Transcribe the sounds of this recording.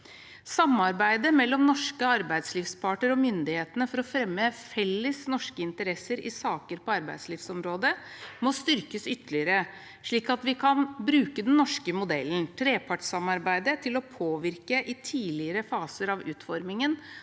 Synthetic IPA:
sɑmːɑɾbæɪd̪əmɛlːɔmnɔʂkəɑɾbæɪd̪sliːfspʰɑːʈəɾɔmʏnd̪ɪheːt̪ənəfɔɾɔfɾɛmːəfɛlːəsnɔʂkəɪnt̪əɾɛsəɾɪ̰sɑːkəɾpɔɑɾbæ̰ɪd̪sliːfsɔmɾoːd̪ə | mɔst̪ʏɾkəsʏt̪ːəlɪəɾə | ʂɭiːkɑt̪ʋɪkʰɑnbɾʉːkəd̪ɛnnːɔʂkəmʊd̪ɛln̩t̪ʰɾeːpʰɑʈʂɑmɑɾbæɪd̪ət̪ʰɪlɔpʰoːʋɪɾkəʔɪt̪ʰiːlɪəɾəfɑːsəɾɑʋʉːt̪fɔɾmɪŋən

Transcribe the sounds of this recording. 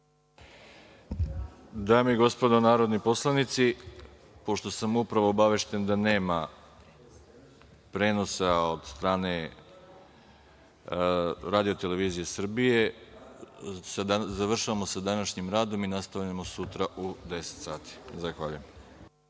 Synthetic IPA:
d̪aːmeiɡo̞spo̞d̪o̞naːɾo̞d̪nipo̞slˠanit̪si | po̞ʃt̪o̞samupɾaʋoːbaʋe̞ʃt̪e̞nd̪ane̞ːma | pɾe̞ːno̞saod̪st̪ɾaːne̞ | ɾaːd̪ijot̪ele̞ʋiːzije̞sr̩bije̞ | szaʋr̩ʃaʋamo̞sad̪anaʃɲimɾaːd̪o̞minast̪aʋʎamo̞sut̪ɾaʔud̪e̞set̪saːt̪i̥zaxʋaʎujem

